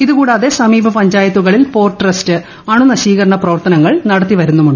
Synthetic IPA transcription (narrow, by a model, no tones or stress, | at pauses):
iðukuːɽaːðe̞sɐmiːbʱɐpɐɲd͡ʑaːjɐt̪ːuɣɐɭilpo̞ːrʈrɐstɨ | ɐɳunɐɕiːɣɐɾɐɳɐprɐʋɐrt̪ɐnɐŋːɐɭnɐɽɐt̪ːiʋɐɾunːumuɳɖɨ